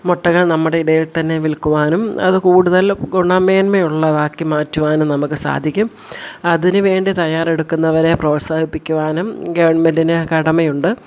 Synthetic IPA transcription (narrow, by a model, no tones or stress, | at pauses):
moʈːɐɣɐɭnɐmːuɽe̞iɽɐjilt̪ɐnːe̞ʋilkuʋaːnumɐ̰ðɨkuːɽuðɐlɡuɳɐme̞ːnmɐjuɭːɐʋaːkːimaːtːuʋaːnumnɐmukːɨsa̰ːd̪ʱikʲːum | ɐðinɨʋe̞ːɳɖit̪ɐjaːre̞ɽukːunːɐʋɐɾe̞pro̞ːsaːhipːikʲːuʋaːnumɡɐʋɐɳmɐndinɨkɐɽɐmɐjuɳɖɨ